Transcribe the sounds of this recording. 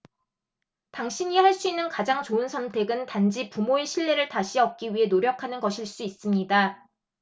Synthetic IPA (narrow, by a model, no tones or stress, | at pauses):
taŋɕʰiɲihaɭs͈uinːɯnkad͡ʑaŋt͡ɕoɯnsʰʌntʰe̞ɡɯntand͡ʑipumoeɕʰiɭːe̞ɾɯɭtaɕʰiʌp̚k͈iɥiɦe̞noɾjʌkʰanɯnɡʌɕʰiɭs͈uis͈ɯmɲida